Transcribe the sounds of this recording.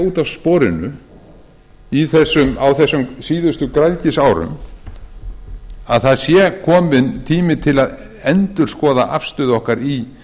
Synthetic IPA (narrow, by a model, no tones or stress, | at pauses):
uːt̪awspɔːɾɪnʏ | iθɛsːʏmawθɛsːʏmsiːðʏst̪ʏkɾajðcɪsaːwɾʏ̰m | aðθaðsjɛkʰɔːmɪnt̪ʰiːmɪt̪ʰɪlað | ɛnt̪ʏɾ̥skɔːða̰ʔa̰fst̪ʏːðɔhkaɾi